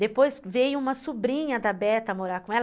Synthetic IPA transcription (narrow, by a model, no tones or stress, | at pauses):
d̪epojzvejʊũmɐsubɾĩɲɐd̪ɐbɛt̪ɐmoɾaɾkõɛl